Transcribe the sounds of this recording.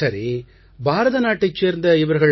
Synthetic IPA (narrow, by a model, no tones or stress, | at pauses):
ɐɾi | bʱaːɾɐðɐnaːʈːit͡ʃːeːɾnd̪ɐiʋɐɾɯɣɐɭ